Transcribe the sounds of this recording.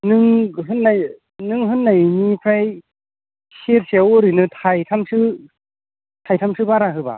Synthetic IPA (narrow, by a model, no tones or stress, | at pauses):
nɯŋɦɯnːaj | nɯŋɦɯnːajnipʰɾaj | seɾseawɔɾinɯtʰajtʰamsɯ | tʰajtʰamsɯbaɾaɦɯba̰